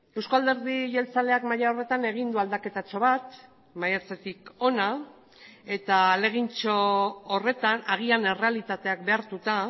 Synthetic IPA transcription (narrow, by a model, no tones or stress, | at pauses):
e̞wskald̪e̞ɾðiʝe̞lt͡sale̞akmajao̞re̞t̪ane̞ɣ̞ind̪uald̪ake̞t̪at͡ʃo̞β̞at̪ | majat͡se̞t̪iko̞na | e̞t̪aːle̞ɣ̞int͡ʃo̞ːre̞t̪anaɣiane̞re̞alit̪at̪e̞ak̚be̞aɾt̪ut̪a